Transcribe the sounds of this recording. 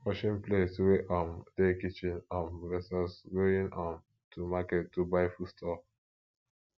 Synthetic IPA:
oʃɔ̃nplesweʔãmd̥ekit͡ʃĩnãnɹɛsasɡoĩnɔ̃n | tʰumakɛtːubaɪfustʰɔ

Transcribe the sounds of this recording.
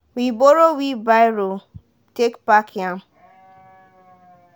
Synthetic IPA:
wiboɾowibaɾo | tekpakjam̩

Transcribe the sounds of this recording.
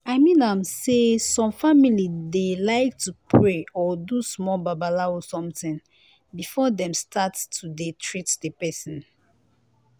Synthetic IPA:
aɪmĩnãmsesɔ̃mfamilidelaɪk̚tʰupʰɹeɔdusmɔlbabalaosɔ̃mtĩŋ | bifɔdɛ̃mstʰattʰudetʰɹitdəpɛsɔ̃n

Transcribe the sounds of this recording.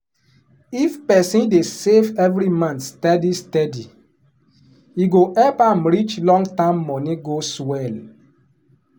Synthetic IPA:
ifpɛsĩndesevɛvɾimãnstɛdistɛdi | iɡoʔɛpamɾit͡ʃlɔ̃ŋɡtãmːɔnĩɡoswɛl

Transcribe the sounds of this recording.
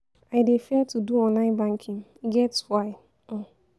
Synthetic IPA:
aɪdefeltuduɔnaɪbaŋ̩kʰimɡɛtswaɪ | ɔ

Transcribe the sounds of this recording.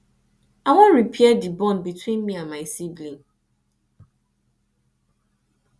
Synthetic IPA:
awɔ̃nɹipʰiɛdibɔ̃nbitʰwĩnmiãnmaɪsiblĩŋ

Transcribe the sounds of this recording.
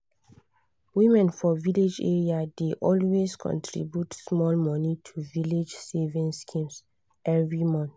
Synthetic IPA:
wĩmɛ̃nfɔviled͡ʒḛɹiadeʔɔlweskʰɔ̰̃ntʰɹḭbjutsmɔlmɔnitʰuviled͡ʒsevĩnskʰĩms | ʔɛvɹimɔ̃nθ

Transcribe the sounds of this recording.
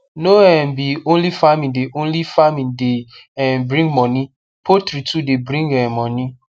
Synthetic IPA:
noɛ̃mbiõnlifamĩndeʔõnlifamĩnde | ɛ̃nbɾĩŋmɔ̃nĩ | pʰotɾitʰudebɾĩŋɡɛ̃mmɔ̃nĩ

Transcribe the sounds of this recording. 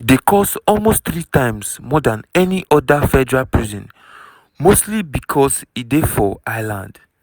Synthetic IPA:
dekʰɔsɔlmostθɹitãɪ̃msmɔdãnɛniʔɔdafɛdɛɹalpɹizɔ̃n | mostlibikʰɔsitdefɔajlã̰nd

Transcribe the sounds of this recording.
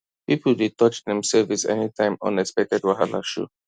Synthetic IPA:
pipʰoldetʰɔt͡ʃdɛ̃msɛvisɛ̰nitʰãɪ̃mɔ̰̃nɛkspɛk̚tɛdwaɦala̰ʃṵ

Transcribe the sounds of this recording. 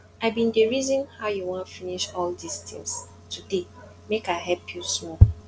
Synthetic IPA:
aɪbĩndeɹizɔ̃nhaʊjuwɔ̃nfiniʃɔldistɛ̰̃ns | tʰude | mekaɪɦɛlpʰjusmɔ

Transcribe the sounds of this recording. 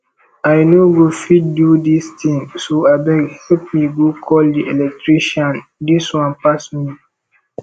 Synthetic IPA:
ajnoɡofit̚dudistʰĩŋsoabɛɡhɛlp̚miɡokʰɔldiʔɛlɛk̚tɹiʃɔ̃ndiswɔ̃npasmi

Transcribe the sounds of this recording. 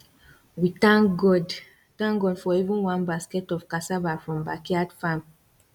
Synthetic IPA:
witãŋɡɔd | tãŋɡɔdfɔivũnwãnbaskɛtɔv̥kasavafɹɔ̃mbakiadfãm

